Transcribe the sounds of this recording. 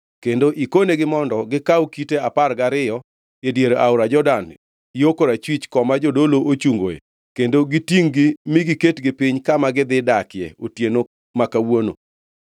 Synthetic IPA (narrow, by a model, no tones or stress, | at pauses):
kendoʔikoneɡɪmɔndɔɡɪkawkiteaparɡaɾɪjɔ | edjeɾoʔaʊɾad͡ʒɔdan | iokoɾat͡ʃwit͡ʃkɔmad͡ʒodoloʔot͡ʃuŋɡo̰jḛ | kendoɡitiŋɡɪmiɡiketɡɪpiɲkamaɡɪd̪ɪdakɪjɛ̰otjeno | makawono̰